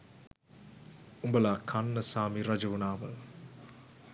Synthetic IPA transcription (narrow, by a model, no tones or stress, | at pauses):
umbɐlaːkʰɐnːɐsaːmiɾɐd͡ʒɐʋunaːmɐl